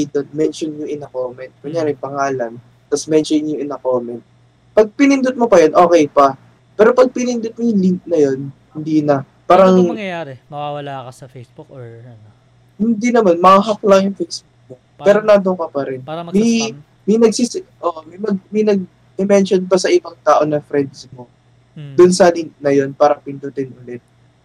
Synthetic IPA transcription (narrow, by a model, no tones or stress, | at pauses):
jd̪onmɛnʃonɲʊŋʔɪnɐkoːmɛnt̪̚ɡɐŋjaːɾɪŋpɐŋaːlɐn | t̪ɐsmɛnʃonnjʊŋʔɪnɐkomɛnt̪̚ | pɐɡ̚pɪnɪnd̪ʊt̪̚mopɐjonʔo̞ːkɛjpɐ | pɛːɾo̞pɐɡ̚pɪnɪnd̪ʊt̪̚mojʊliŋk̚nɐjo̞nhɪnd̪iːnɐ | paːɾɐŋjaɾmɐwawɐlakɐɐbk | hɪnd̪inɐmanmɐaɦɐklɐŋjʊŋfɛjsbuk̚mo̞ | pɛːɾo̞nad̪okɐpɐɾɪnmɐj | mɐjnɐɡ̚sisʔoːʔomɐjmɐɡmɐjnɐɡ̚ | ɪmɛnʃonpɐsɐʔɪbɐŋt̪aːʔo̞nɐfɾɛnd̪smo̞ | d̪ʊnsɐlint̪̚nɐjo̞npaːɾɐpɪnd̪ʊt̪ɪnʔʊlɛt̪̚